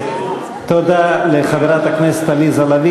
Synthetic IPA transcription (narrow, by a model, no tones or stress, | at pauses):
t̪od̪aleχadaʁat̪aknese̥t̪alizalavi